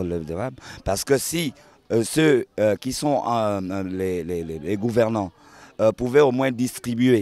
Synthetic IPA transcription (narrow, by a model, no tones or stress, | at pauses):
ləd̪əʁabpaʁsə̥kəsi | søøkʲisɔ̃ | leleleleɡuvɛʁnɑ̃ | øpuvɛomwɛ̃d̪ist̪χibye